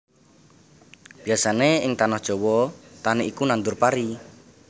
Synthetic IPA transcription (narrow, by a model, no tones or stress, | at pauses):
b̥iasaneɪŋt̪anɔhd̥ʒ̥ɔwɔt̪aniʔikunand̪ʊrpaɾi